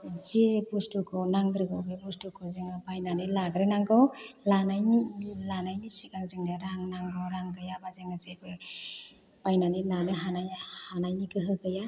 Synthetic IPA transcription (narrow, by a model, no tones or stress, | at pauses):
zibustukʰɔnaŋɡɾɯɡɯbebustukʰɔzɯŋabajnanilaɡɾenaŋɡɔwlanajnilanajnisikaŋzɯŋdaɾaŋnaŋɡɔwɾaŋɡɯjabazɯŋasebɯ | pajnanilanɯɦanajhanajnikʰɯɦɯɡɯja